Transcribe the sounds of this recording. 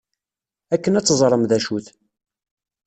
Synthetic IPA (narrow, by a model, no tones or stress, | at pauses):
ækːənæt͡sːzˤɾˤəmðæʃuθ